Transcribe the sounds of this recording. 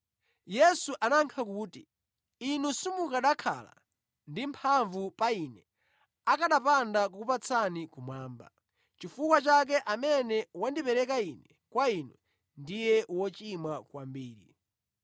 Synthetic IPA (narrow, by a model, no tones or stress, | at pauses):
jɛsuʔanaŋkʰak̬uːti | inusumukaɗakʰa̰la̰ | ndimpʰaɱvupainɛ | akaɗapandak̬ukupat͡sʰanikumwaːmba̰ | t͡ʃifukwat͡ʃak̬ɛʔamɛnɛwandipɛɾɛk̬ainɛ | kwainwɛ | ndijɛwɔt͡ʃimakwambiːɾḭ